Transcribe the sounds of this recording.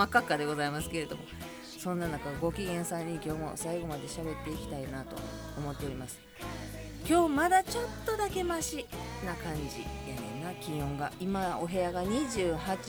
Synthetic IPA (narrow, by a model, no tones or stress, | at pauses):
akːakːad̪e̞ɡo̞zaimasɨ̥ke̞ɾe̞d̪o̞̰mo̞̰ | sõ̞nːanakaɡo̞kʲiɡẽ̞ɰ̃sãɲ̟ːikʲo̞ːmo̞̰saiɡo̞mad̪e̞ɕabe̞t̪ːe̞ikʲi̥t̪ainat̪o̞̰ | omo̞t̪ːe̞o̞ɾimasɨ̥ | kʲo̞ːmad̪at͡ɕo̞t̪ːo̞d̪ake̞maɕinakãɲ̟d͡ʑḭenonakʲĩɰõ̞ŋɡaimao̞ɦe̞aɡaɲ̟iʑɨːhat͡ɕi